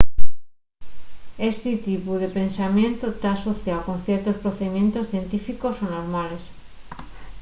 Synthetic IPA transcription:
e̞st̪it̪ipuðe̞pe̞nsamjẽ̞nt̪ot̪aːso̞θjaoko̞n̟θje̞ɾt̪o̞spɾoθeðimjẽ̞nt̪o̞sθje̞nt̪ifiko̞sonoɾmale̞s

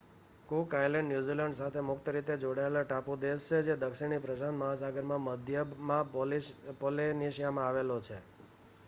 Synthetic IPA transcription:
kukajlɛ̃ɳɖnjuziləɳɖsat̪ʰemʊkt̪əɾit̪ed͡ʒoɽaelaʈapud̪est͡ʃʰed͡ʒed̪əkʃiɳipɾəd͡ʒanməɦasaɡəɾmãməd̪ʱjəmã | poleniʃijamãaʋelot͡ʃʰe

